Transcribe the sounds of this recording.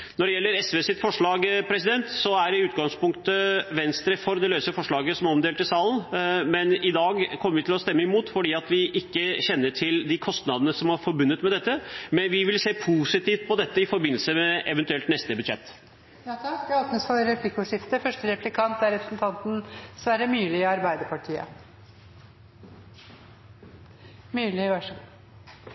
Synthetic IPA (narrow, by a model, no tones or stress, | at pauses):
nɔɖɛjɛlːəɾɛsʋeːsɪt̪fɔʂɭɑːɡpʰɾɛsɪd̪ɛnt̪sɔæɾɪʉːt̪ɡɑŋspʊŋkt̪əʋɛnst̪ɾəfɔɾd̪ɛløːsəfɔʂɭɑːɡəsɔmɔmd̪eːlt̪ɪsɑːlənmɛnɪd̪ɑːɡkʰɔmːəɾʋɪt̪ʰɪlɔst̪ɛmːəɪmuːt̪fɔɖiːɑt̪ʋɪʔɪkːəɕɛnːəʈʰɪld̪ɪkʰɔst̪nɑd̪ənəsɔmɑɾfɔɾbʉnːət̪mɛd̪ɛt̪ːəmɛnʋɪʋɪlseːpʰuːsɪt̪iːft̪̚pʰɔd̪ɛt̪ːəɪfɔɾbɪnəl̩səmɛʔɛʋɛnt̪ʉɛlt̪nɛst̪əbʉd̪ʂɛt̪ː | jɑt̪ʰɑt̪nəsfɔɾɛpʰlɪkːʊʂɪft̪əfœʂʈəɾɛplɪkʰɑnt̪̚æɾɛpɾəsnt̪ʰɑnt̪n̩sʋæɾəmyːlɪɪɑɾbæɪd̪əɾpʰɑʈʰiːə̰ | myːlɪʋæʂ